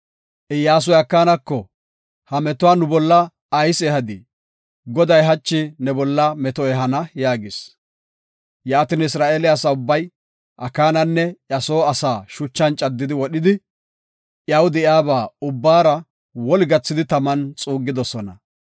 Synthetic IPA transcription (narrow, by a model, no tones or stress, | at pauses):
ʔɪjaːs̬ɔjɐkːaːnɐkːɔ | hɐmɛt̪ʊwaːnʊbɔlːɐː | jsɛːhɐd̪ɪ | ɡɔd̪ɐjɦɐt͡ʃːɪnɛbɔlːɐmɛt̪ɔɛɦɐnɐjaːɡɪs | jaːt̪ɪnɪsɾaːʔeːlɪɐsɐʊbːɐj | ʔɐkːaːnɐnːɛjɐsoːɐsaːʃʊt͡ʃːɐnt͡ʃʼɐd̪ːɪd̪ɪwɔɗɪd̪ɪ | ʔjɐwd̪ɛjaːbaːʊbːaːɾɐ | wɔlɪɡɐt͡sːɪd̪ɪt̪ɐmɐnt͡sʼuːɡːɪd̪ɔsɔnɐ̰